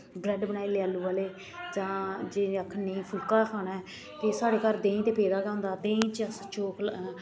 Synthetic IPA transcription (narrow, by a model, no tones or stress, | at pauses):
ɡlɛɖbənaːiːleaːluːaːleː | d͡ʒãːd͡ʒeːəkʰːənĩːpʰʊlkaːkʰaːnaː | t̪eːsaːɽeːkaːɾd̪ẽːĩːt̪eːpeːd̪aːɡãːʊ̃nd̪aːt̪ẽːt͡ʃst͡ʃoːkʰl